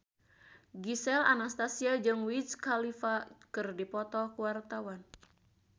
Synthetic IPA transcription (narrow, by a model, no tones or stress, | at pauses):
ɡisɛla̰nast̪asiad͡ʒɨŋwiskalifakɨrdipɔt̪ɔkuwart̪awan